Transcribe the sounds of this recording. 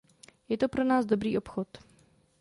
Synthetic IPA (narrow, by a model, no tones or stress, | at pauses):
jɛt̪o̞pɾo̞naːzdobɾiːʔo̞pxot̪